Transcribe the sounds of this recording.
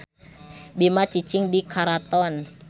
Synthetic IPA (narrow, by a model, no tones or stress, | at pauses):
bimat͡ʃit͡ʃiŋdikʰaɾat̪ɔn